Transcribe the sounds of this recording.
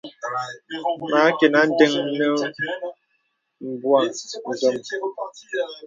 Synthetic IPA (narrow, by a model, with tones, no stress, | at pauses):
ma˨˦ke˨na˨˦n˦de˦ŋnə˦ | m̩˨bwa˨n̩˨zɔ˨m